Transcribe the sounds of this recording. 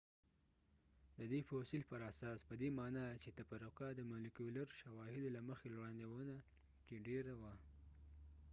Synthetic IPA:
d̪əd̪efosilpəɾasɑspəd̪emɑnɑt͡ʃet̪apaɾakɑd̪əmalikuləɾʃawɑhɪd̪olaməxelwɽɑnd̪ewəna | keɖeɾawa

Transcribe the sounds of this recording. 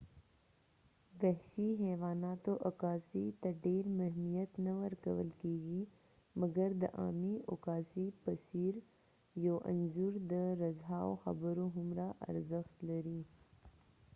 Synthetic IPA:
bɐɦʃiɦɛːʋaːnaːt̪oʔɐkaːsit̪ɐɖeːɾmɐɦmijət̪nɐʋɐɾkəwəlkiːɡi | mɐɡəɾd̪əʔa̰ːmiʊkaːsipɐsiːɾ | joːʔɐ̰nzuɾd̪əɾɐzɦaːoxɐ̰bəɾoɦʊmɾaʔɐ̰ɾzəxt̪lɐɾiː

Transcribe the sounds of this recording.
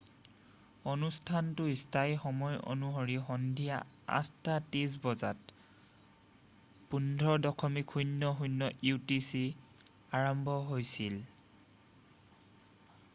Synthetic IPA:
onustʰantʊistajxɔmɔjo̰nuɦoɹixɔndʱija̰ | a̰tʰtatis̬bɔzat | pundʱɔdɔkʰɔmikʰujnːɔxujnːɔʔutisi | aɹɔmbʱɔɦojsil

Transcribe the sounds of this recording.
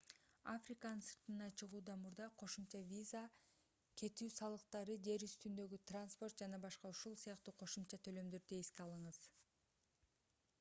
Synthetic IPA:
afrʲikanɯnsɯ̥ɾt̪ɯnɑt͡ʃɯʁuːd̪ɑmuɾd̪ɑqʰo̞ʃumt͡ʃɑvʲiza | kʰe̞t̪yːsɑlˠɯqt̪ɑɾɯd͡ʒe̞ɾyst̪ynd̪ø̞ɡyt̪ranspo̞rt̪̚d͡ʒɑnɑbɑʃqɑuʃulˠsijɑqt̪uːqʰo̞ʃumt͡ʃɑt̪ʰø̞lø̞md̪øɾd̪eeskeɑlˠɯɴɯz̥

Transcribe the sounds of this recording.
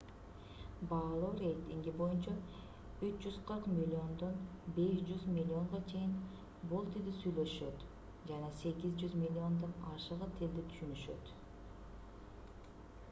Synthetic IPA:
bɑːlˠoːɾe̞jt̪iŋɡibo̞jynt͡ʃɑ | yt͡ʃd͡ʒyz̥qʰəɾqmʲilʲːio̞nd̪o̞nbe̞ʃd͡ʒyzmʲilʲːo̞ɴʁɑt͡ʃʰe̞jin | bolˠt̪ild̪isyjlø̞ʃø̞t̪ | d͡ʒɑnɑse̞ɡʲizd͡ʒyzmʲilʲːio̞nd̪onɑʃəʁɯt̪ʰeld̪it̪ʰy̥ʃynyʃø̞̰t̪

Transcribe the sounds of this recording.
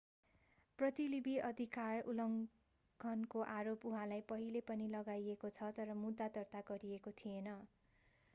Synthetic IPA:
prʌt̪ilibʱiʔʌd̪ʱikarulʌŋ | ɡʱʌnkoʔaɾopuɦãlajpʌɦilepʌnilʌɡajekot͡sʰʌt̪ʌɾʌmud̪ːat̪ʌrt̪aɡʌɾiekot̪ʰijenʌ

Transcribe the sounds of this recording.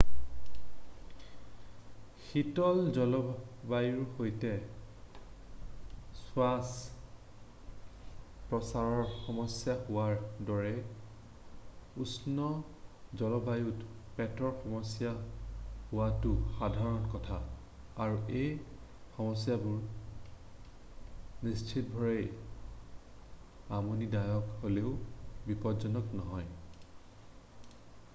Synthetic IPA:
xitɔlzɔlɔbajuɹhojtɛ | sʊwas | pɹɔsaɹɔɹxɔmɔsjahʊwaɹdɔɹɛ | usnɔ | zɔlɔbʱajutpɛtɔɹxɔmɔsja | hʊwatʊxadʱaɹɔnkɔtʰaː | ɹuej | xɔmɔsjabuɹ | nist͡ʃʰit̚bʱɔɹɛj | amonidajɔkholeʊbipɔzɔnɔknɔɦɔj

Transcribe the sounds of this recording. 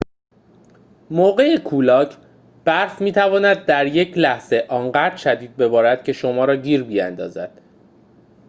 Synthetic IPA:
moːɢe̞ekʰuːlɒːcʰ | b̥æɾfmiːt̪ʰævɒːnæd̪̚ːæɾje̞cʰlæhz̥e̞ʔɒːnɢæd̪ɾʃæd̪iːd̪̚be̞bɒːɾæd̪̥̚cʰe̞ʃo̞mɒːɾɒːɟiːɾbijæ̰nd̪ɒ̰ːzæd̪̥

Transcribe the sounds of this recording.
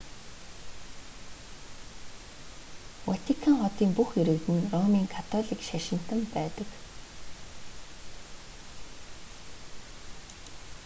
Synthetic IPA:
wat̪ʰikʰaŋχɔt̪iːmpuxeɾɘ̆kt̪ɘ̆nrɔmiːŋkʰat̪ʰɔɮiːkʃaʃɪ̆n̥t̪ə̆mpæːt̪ə̆k

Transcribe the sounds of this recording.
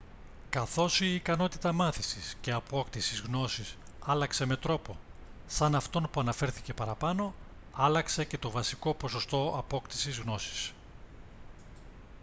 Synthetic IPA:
kɐθo̞siːkɐno̞t̪it̪ɐmɐθisisce̞ɐpo̞kt̪isizɣno̞sisɐlɐkse̞me̞t̪ɾo̞po̞sɐnɐft̪o̞npuɐnɐfe̞ɾθice̞pɐɾɐpɐno̞ | ɐlɐkse̞ce̞t̪o̞vɐsiko̞po̞so̞st̪o̞ɐpo̞kt̪i̥sizɣno̞si̥s

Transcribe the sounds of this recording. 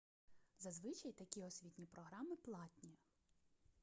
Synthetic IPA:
zɐzʋɪt͡ʃɐjt̪ɐkʲiɔsʲʋʲit̪ʲnʲipɾɔɦɾɑmɪplˠɑt̪ʲnʲi

